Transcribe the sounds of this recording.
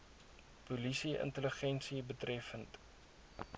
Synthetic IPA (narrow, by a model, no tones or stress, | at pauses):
pulisiʔə̰ntələχɛnsibətrɛfənt